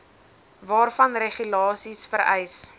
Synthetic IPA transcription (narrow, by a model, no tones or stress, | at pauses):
vɑːrfɐnreχylɑːsisfəɾɛ̰js